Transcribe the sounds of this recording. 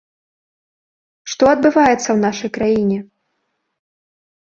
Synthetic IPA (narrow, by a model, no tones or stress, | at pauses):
ʂt̪ɔɐd̪bɨvajɛt̪sːɐwnaʂɐjkɾajinʲɛ